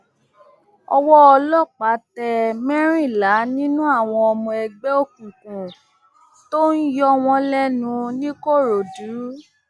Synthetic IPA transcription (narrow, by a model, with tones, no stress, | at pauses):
ɔ˧wɔ˦ɔ˧lɔ˦˨k͡pa˨˦tɛ˧mɛ̃˦ɾ̃ĩ˦˨la˨˦nĩ˦nũ˦a˦˨w̃ɔ̃˧ɔ˧mɔ̃˧ɛ˧ɡ͡bɛ˦o˦kũ˨kũ˨ | to˦n̩˦jɔ˦w̃ɔ̃˧lɛ˦nũ˧nĩ˦ko˦˨ɾo˨du˨˦